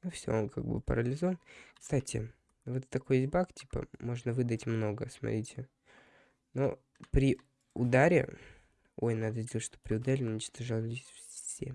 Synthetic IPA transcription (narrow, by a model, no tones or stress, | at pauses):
nɐfsʲo̰nkʰa̰ɡ̚bɨ̰pə̰ɾəlʲɪzovənkst̪atʲʰɪ̰ | vɛt̪t̪ːɐko̞jes̚ʲbaktʲi̥pə̰mo̞ʐnəvɨd̪ətʲmno̞ɡəsmɐ̰t̪ɾʲitʲɪ | no̰ | pɾʲɪ | ʊd̪aɾʲɪ̰ | o̞jnad̪əzʲdʲeət̪ʲʂt̪o̞pɾʲɪʊd̪aɾʲɪʊnʲɪt͡ɕt̪ɐʐalˠʲesʲfsʲḛ